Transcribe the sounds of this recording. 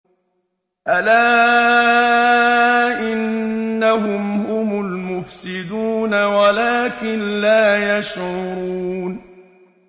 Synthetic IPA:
ʔalaː | ʔɪnːaɦʊmhʊmʊlmʊfsɪd̪uːnawalaːkɪnlaːjaʃʕʊʊɾuuːn

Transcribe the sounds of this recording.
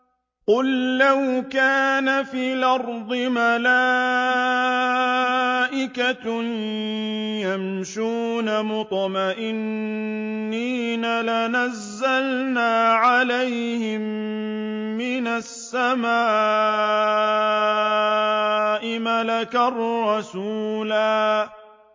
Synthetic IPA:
qʊlːawkaːnafiːlɑɾˤd̪ˤɨmalaː | ʔɪka | jamʃuːnamʊt̪ˤɑmaʔɪnː | iːnalanazːalnaːʕalajhɪmː | ɪnasːamaː | ʔɪmalakarːɑsuːlaː

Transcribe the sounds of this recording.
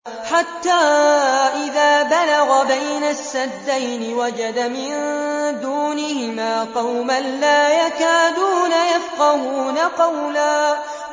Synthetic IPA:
ħat̪ːaːʔɪðaːbalaɣabajnasːad̪ːajnɪwad͡ʒad̪amɪnd̪uːnɪhɪmaːqɑwmanlaːjakaːd̪uːnajafqɑhuːnaqɑwlaː

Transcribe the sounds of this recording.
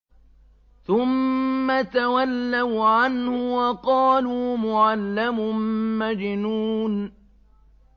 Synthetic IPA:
θʊmːat̪awalːawʕanhʊwɑqɑːluːmʊʕalːamʊmmad͡ʒɪnuːn

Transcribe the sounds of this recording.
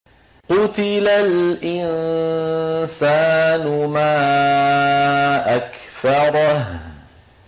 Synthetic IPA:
qʊt̪ɪlalʔɪnn | saːnʊmaː | ʔakθɑɾˤɑh

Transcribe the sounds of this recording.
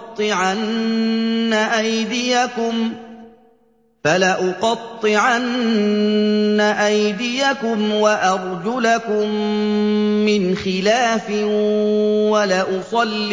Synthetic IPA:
t̪ˤːɨʕanː | aʔajd̪ɪjakʊm | falaʔʊqɑt̪ˤːɨʕan | aʔajd̪ɪjakʊmwaʔɑɾˤd͡ʒʊlakʊmː | ɪnxɪlaːfɪ | walaːʔʊsˤɑlː

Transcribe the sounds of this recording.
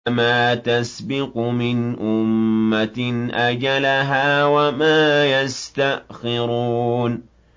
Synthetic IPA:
maːt̪asbɪqmɪnʔʊmːat̪nʔad͡ʒalaɦaːwamaːjast̪aʔxɪɾuːn

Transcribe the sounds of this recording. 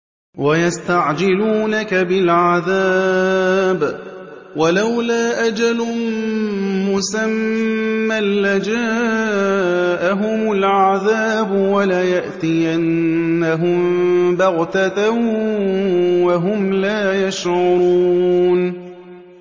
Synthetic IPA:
wajast̪aʕd͡ʒɪluːnakabɪlʕaðaː | b | walawlaːʔad͡ʒalʊ | mʊsamː | alːad͡ʒaː | ʔaɦʊmʊlʕaðaːbʊwalajaʔt̪iʔanːaɦʊmbɑɣt̪ata | waɦʊmlaːjaʃʕʊɾuːn

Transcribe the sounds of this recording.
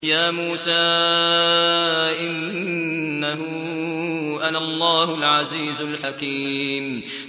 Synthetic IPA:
jaːmuːsaː | ʔɪnː | aɦʊ | ʔanaʔlˤːɑːhʊlʕaziːzʊlħakiːm

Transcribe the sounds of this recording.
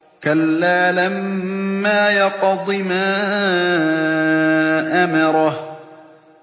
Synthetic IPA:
kalːaːlamːaːjɑqd̪ˤɨmaː | ʔamɑɾˤɑh

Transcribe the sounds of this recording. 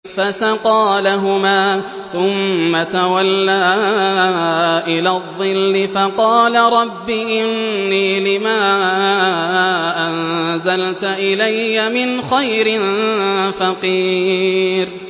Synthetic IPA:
fasaqɑːlaɦʊmaː | θʊmːat̪awalːaː | ʔɪlaːðˤːɨlːɪfɑqɑːlaɾˤɑbːiːʔɪnːiːlɪmaː | ʔanzalt̪ʔɪlajːamɪnxajɾɪnfɑqiː | ɾ

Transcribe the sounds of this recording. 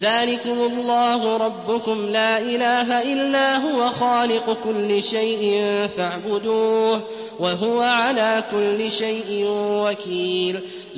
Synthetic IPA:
ðaːlɪkʊmʊlˤːɑːhʊɾˤɑbːʊkʊmlaːʔɪlaːɦaʔɪlːaːɦʊwaxaːlɪqkʊlːɪʃajʔɪnfaʕbʊd̪uːh | waɦʊwaʕalaːkʊlːɪʃajʔɪnwakiːl

